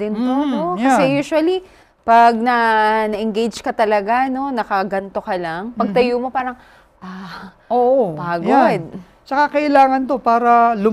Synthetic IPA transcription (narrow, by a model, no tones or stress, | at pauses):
d̪ɪnt̪ono̞jɐsɛjuːʃʊɐli | pɐɡ̚nɐnɐʔɛŋɡejd͡ʒkɐt̪ɐlɐɡano̞nɐkɐɡɐnt̪o̞kɐlɐŋpɐɡ̚t̪ɐjumo̞paːɾɐŋ | ʔa | oʔopaːɡod̪̚ | t͡ʃɐkakɐʔɪlaːŋɐnt̪o̞paːɾɐlʊ